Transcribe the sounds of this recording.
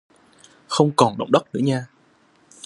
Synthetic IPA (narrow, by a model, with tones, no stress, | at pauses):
xə˧wŋ͡mkɔ˨˩nɗə̰˧˩wŋ͡mɗə˦˥k͡p̚nɨ̰˧˥əɲaː˧